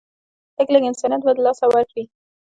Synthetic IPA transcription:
həkləɡɪnsɑnjat̪̚bad̪əlɑsawaɾkwi

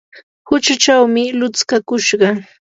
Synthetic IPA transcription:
hʊt͡ʃat͡ʃawmɪlʊt͡skakʊʃɢɑ

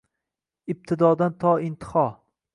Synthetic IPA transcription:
ɪb̚t̪ʰɪd̪ɒd̪ant̪ʰɒɪnt̪ʰɨ̥hɒ

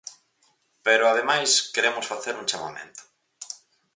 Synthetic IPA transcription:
peɾʊaðemajskeɾemʊsfaθeɾuŋt͡ʃama̰mḛ̃nt̪ʊ̥

